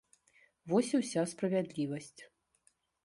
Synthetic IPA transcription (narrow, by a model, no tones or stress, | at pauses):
vɔsʲiwsʲaspɾɐvʲɛd̪lʲivɐsʲt͡sʲ